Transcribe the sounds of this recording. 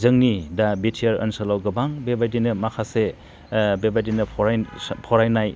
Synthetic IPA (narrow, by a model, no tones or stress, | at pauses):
zɯŋnidabitʰijɐɾə̰nsalawɡɐbaŋbebajdinɯmakʰase | bebajdinɯpʰɔɾjpʰɔɾajnaj